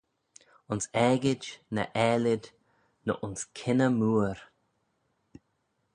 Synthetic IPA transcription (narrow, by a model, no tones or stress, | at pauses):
ʊnsɛɡɪd͡ʒnə̰ʔɛːlɪd | nə̰ʔʊnskʰɪnəmuːɾ